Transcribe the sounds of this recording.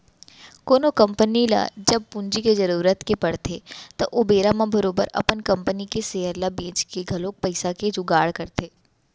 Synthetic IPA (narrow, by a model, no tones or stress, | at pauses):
koːnokɐ̃mpənila̰d͡ʒɐb̚pʊ̃nd͡ʒikezɐɾuːɾət̪kepɐɽt̪ʰet̪ɐʔobeːɾamãbɐɾoːbəɾɐ̰pənkɐ̃mpənikeseːɦəɾlabẽːt͡ʃkeɡʱɐlõːk̚pɐɪsaked͡ʒʊɡaːɽkɐɾt̪eː